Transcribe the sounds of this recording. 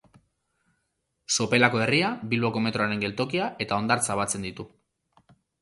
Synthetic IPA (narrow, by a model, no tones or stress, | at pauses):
so̞pe̞lako̞e̞riabilβo̞ko̞me̞t̪ɾoaɾe̞ŋɡe̞lt̪o̞kiaʔe̞t̪ao̞nd̪aɾt͡saβat͡se̞nd̪it̪u